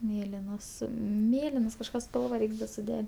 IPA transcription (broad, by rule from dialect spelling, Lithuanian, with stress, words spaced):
ˈmʲeːlʲɪnoːs ˈmʲeːlʲɪnoːs kɐʃˈkɑː ˈspɐlˠʋɐ ˈrʲɛɪks dɐ sʊˈdʲɛ